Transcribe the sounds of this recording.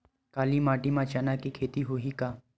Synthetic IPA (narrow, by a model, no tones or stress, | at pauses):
kaːlimaːʈimãt͡ʃanakikʰeːt̪iɦoːɦikaː